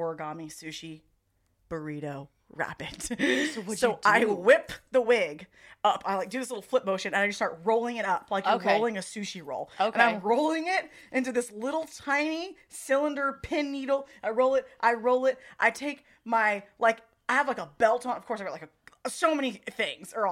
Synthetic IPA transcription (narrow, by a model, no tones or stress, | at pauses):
ɔɹɡɑmisʉʃi | b̥ə˞iɾoʊ | ɹæ̰pɨd̥ | soʊaɪwɪpðəwɪɡʌpʰaɪlaɪk̚d̥ɨðɪslɪɾl̩ˠflɪp̚moʊʃɨ̃nɨ̃naɪd͡ʒʌstɑɹt̚ɹoʊlˠɪ̃ŋɨɾʌpʰlaɪkjəɹoʊlˠɪ̃ŋɨsʉʃiɹo̰ʊlˠoʊɨ̃ñãɪɪ̃mɹoʊlˠɪ̃ŋɪɾ | ʔɪ̃ntʉðɪslɪɾl̩ˠtʰãɪ̃ni | sɪlˠə̃ndə˞pʰɪ̃nːiɾl̩ˠʔaɪɹoʊlˠɨt̚ʔaɪɹoʊlˠɪt̚ʔaɪtʰeɪk̚ | maɪlaɪk | aɪəvlaɪkəbɛlˠtʰɔ̃nʌv̥kʰɔɹsaɪɡtlaɪkɨsoʊmɛniθɪ̃ŋz̥ə˞